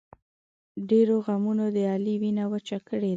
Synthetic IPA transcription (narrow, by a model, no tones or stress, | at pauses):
ɖeɾoɣamunod̪əɑliwinawət͡ʃakəɽe